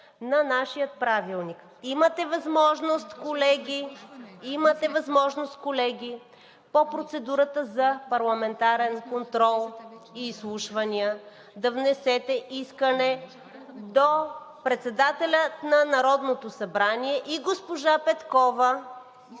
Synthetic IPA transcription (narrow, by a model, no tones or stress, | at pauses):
nɐnaʃijət̪̚pɾavilˠnik | imət̪ɛvɐzmɔʒnost̪kolɛɡʲiimət̪ɛvɐzmɔʒnost̪̚kolɛɡʲi | popɾot̪sɛd̪uɾət̪əzɐpɐɾlˠɐmɛnt̪aɾɛnkont̪ɾɔlˠiːslˠuʃvɐniə | d̪ɐvnɛsɛt̪ɛʔiskənɛ | d̪opɾɛt̪sɛd̪at̪ɛlʲət̪nɐnɐɾɔd̪not̪osɐbɾaniɛʔiɡospoʒapɛt̪kɔvə